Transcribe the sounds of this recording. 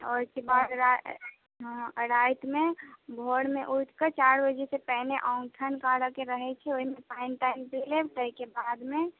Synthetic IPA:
ɔ̰kebad̪ɾa | ɦɾajt̪mebʱoɽmeʔuʈ̪ʰkət͡ʃaɾbəd͡ʒesepəɦneʔaʊŋɡt̪ʰənkaɽəkeɾəɦɛt͡ʃʰɛoɦimepaɪnʈampelebʈəjkebad̪me

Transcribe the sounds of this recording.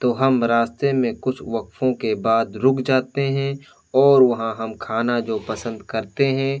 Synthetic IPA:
t̪oːɦɐmɾaːst̪ɾemẽkʊt͡ʃʰʋɐkfõkebaːd̪ɾʊkʰd͡ʒaːt̪eɦɛ̃ | ɔːɾʋɐɦãɦɐmkʰaːnad͡ʒoːpɐsə̃nd̪kɐɾt̪eɦɛ̃ː

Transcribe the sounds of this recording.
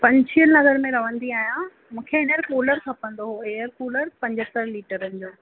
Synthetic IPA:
pɐ̃ɲt͡ɕʰiənnɐɡəɾmẽɾɐʋ̤ə̃nd̪iaːɦijã | mũːkʰeɪnəɾkoːləɾkʰɐpɐ̃nd̪oɦoeːəɾkoːləɾpɐ̃ɲd͡ʑət̪əɾliːʈəɾənɪ̆d͡ʑoː

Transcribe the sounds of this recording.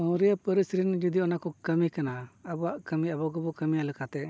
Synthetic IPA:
ɔ̃wɾijapəɾisɾind͡ʒud̪iɔnakɔkəmikanaəbɔaʔkəmiabɔɡɔbɔkəmijalɛkat̪ɛ

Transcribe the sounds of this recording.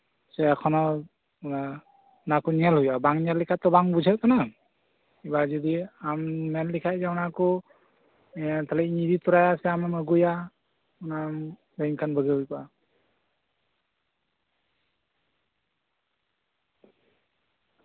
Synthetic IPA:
sɛakʰɔnɔ | na | nakɔniɛlhujabaŋnɛlːikʰatɔbaŋbud͡ʒat̚kana | ibazɔd̪iamnɛnlikʰajzaunakɔ | t̪ʰalɛnidit̪ɔɾajasɛamaməɡuja | unam | ɾaŋkʰanbəɡɯjpa

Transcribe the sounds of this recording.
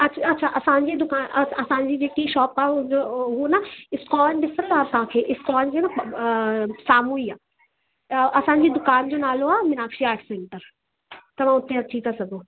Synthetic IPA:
ɐɐtːɕʰaʔɐsãːɲd͡ʑid̪ʊkaːnɐɐsãːɲd͡ʑid͡ʑeːkiʃɔːpaːd͡ʑoɦunɐɪskɔːnɖɪsɾəlaːt̪ɐɦãkʰeːʔɪskɔːnd͡ʑenɐ | saːmuiaː | ɐsãːɲd͡ʑid̪ʊkaːnd͡ʑonaːloaːmɪnaːkʃiaːɾʈʰsẽːɳʈəɾ | t̪ɐmãʊt̪eɐt̪ʰit̪ʰasɐɡoː

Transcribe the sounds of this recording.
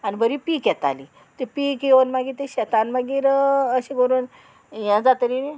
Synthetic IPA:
anibəɾipiːkjɛt̪a̰li | t̪epikjeʋonmaɡiːt̪eɕɛt̪anmaɡiːɾəɕiɡoɾun | jãd͡zat̪əɾini

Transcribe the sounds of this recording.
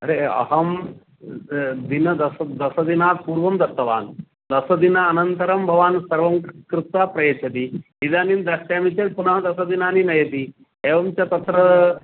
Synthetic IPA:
ɐɾeɐ̰ɦɐm | d̪inɐd̪ɐsɐd̪ɐsɐd̪inaːt̪̚puːɾʋɐmd̪ɐt̪ːɐʋa̰ːn | d̪ɐsɐd̪inaɐnɐnt̪ɐɾɐmbʱɐʋaːnsɐɾʋɐmkɾut̪ʋaːpɾɐjɐt͡ʃɐt̪i | id̪aːnind̪ɐsʈaːmit͡ʃɐɾ̚punɐɦɐd̪ɐsɐd̪inaːninɐjɐt̪i | eːʋɐmt͡ʃɐt̪ɐt̪ɾɐ

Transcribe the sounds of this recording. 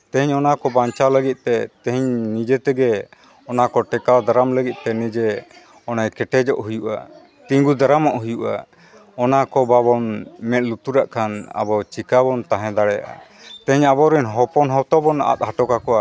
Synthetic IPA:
t̪ɛɦiɲɔnakɔbaɲt͡ʃaləɡit̪̚ˀt̪ɛt̪ɛ̃ɦiɲnid͡ʒɛt̪ɛɡɛ | ɔnakɔʈɛkad̪aɾamləɡit̪̚ˀt̪ɛnid͡ʒɛ | ɔnajkɛʈɛd͡ʒɔʔɦujuʔa̰ | t̪iŋɡud̪aɾamɔʔɦujuʔa̰ | ɔnakɔbaβɔnmɛt̪̚lut̪uɾaʔkʰana̰bɔt͡ʃikabɔnt̪aɦɛ̃d̪aɽɛjaʔa̰ | t̪ɛ̃ɦiɲabɔɾiɲɦɔpɔnɦɔt̪ɔbɔna̰t̪̚haʈɔkakɔʔa

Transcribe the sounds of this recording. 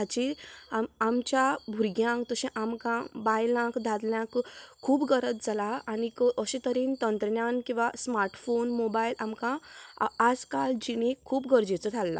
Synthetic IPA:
at͡ɕiaamt͡ɕjabʱuɾɡjãŋkt̪əɕẽʔamkãbajlãkd̪ʱad̪ljãkʰːuːbɡəɾət̪̚d͡zʱalaːnikəʔəɕẽt̪əɾiːnt̪ənt̪ɾɳjankĩw̃ʋasmaɾʈfonmobailamkãː | d͡zkald͡ʑinekʰːuːpɡəɾd͡ʑet͡sət̪ʰalːa̰

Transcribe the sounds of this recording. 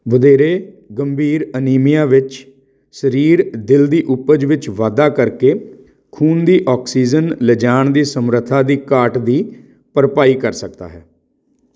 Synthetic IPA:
ʋəd̪eːɾeː | ɡəmbʱiːɾəniːmɪjãːʋɪt͡ʃ | səɾiːɾd̪ɪld̪iːʔʊpəd͡ʒʋɪt͡ʃʋaːd̪aːkəɾkeː | kʰuːnd̪iːʔɔːksiːd͡ʒənləd͡ʒaːɳd̪iːsəmɾət̪ʰːaːd̪iːkaːʈd̪iː | pəɾpaːiːkəɾsək̚d̪a̰ːɦɛː

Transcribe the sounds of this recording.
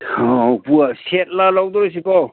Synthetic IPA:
ɔpuaset̚lalawd̪ɔɾɔs̬ipaw

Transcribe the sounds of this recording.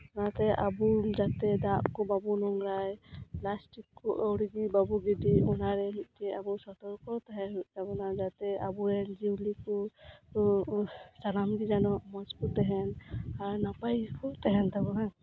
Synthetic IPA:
ɔnat̪ɛʔabuzat̪ɛd̪aʔkɔbabunɔŋɾajplastikːɔʔawɾiɡibabuɡɛdiɔnaɾɛmiʔ̚tɛabɔsɔt̪ɔɾkɔt̪aɦɛzabɔnazat̪ɛabuɾɛd͡ʒiwlikɔ | sanamɡid͡ʒanɔmɔskɔt̪ɛɦɛnaɾnapajkɔt̪ɛɦɛnt̪abɔna

